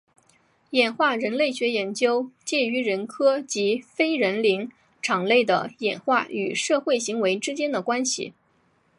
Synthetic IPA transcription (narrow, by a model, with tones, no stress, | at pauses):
jɛ˨˩nxwa˥˩ɻə˧˥nle˥˩ɪɕɥɛ˧˥jɛ˧˥nt͡ɕjo˥ʊt͡ɕjɛ˥˩y˧˥ɻə˧˥nkʰɤ˥t͡ɕi˧˥fe˥ɪɻə˧˥nli˧˥ŋ | ʈ͡ʂʰɑ˨˩ŋle˥˩ɪd̪ə̰˩jɛ˨˩nxwa˥˩y̰˨˩ʂɤ˥˧xwe˥˩ɪɕi˧˥ŋwe˧˥ɪʈ͡ʂɻ̩˥t͡ɕjɛ˥nd̪ə˨kwa˥nɕḭ˨˩